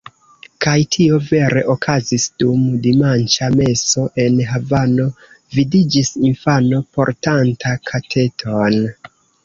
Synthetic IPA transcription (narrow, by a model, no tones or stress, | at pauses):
kajtʰio̞ve̞ɾʔe̞ʔokʰazisd̥umdimant͡ʃame̞so̞ʔe̞nɦavano̞ | vidid͡ʒisinfanopo̞ɾtantʰakʰatʰe̞tʰon